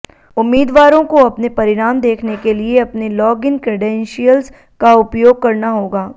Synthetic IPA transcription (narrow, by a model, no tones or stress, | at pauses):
ʊmːiːd̪ʋaːɾõkoɐpnepɐɾɪɾaːmd̪eːkʰnekelieɐpnelɔːɡɪnkɾɪɖɛ̃nʃijəlz | kaʊpjoːɡ̚kɐɾnaɦoːɡaː